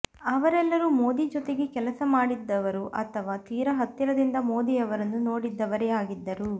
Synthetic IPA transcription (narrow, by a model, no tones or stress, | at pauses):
ɐʋɐɾɛlːɐɾumo̞ːd̪id͡ʒɔt̪e̞ɡekɛlɐsɐmaːɽid̪ːɐʋɐɾuʔɐ̰t̪ʰɐʋaːt̪iːɾɐɦɐt̪ːiɾɐd̪ind̪ɐmo̞ːd̪iɐʋɐɾɐnːuno̞ːɽid̪ːɐʋɐɾeaːɡid̪ːɐɾu